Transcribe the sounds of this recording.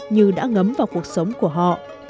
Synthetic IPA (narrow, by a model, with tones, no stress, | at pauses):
ɲɨ˨˩ɗa̰ː˧˥ŋə˨˦mvaː˨˩wku˨˩ək̚sə˨˦wŋ͡mku˧˩əɦɔ̰˧˨